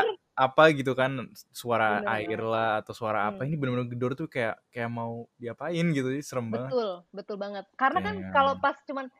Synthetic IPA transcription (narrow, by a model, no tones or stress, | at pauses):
apaɡit̪̬ukansuaɾaaɪrlahat̪awsuaɾaːpainibənbənʊrɡədɔrt̪ukaja̰ʔkajaʔmaudiapaɪnɡit̪uɛsəɾəmbaŋʊlbət̪ʊlbaŋət̪̚kaɾənakankalopast͡ʃuman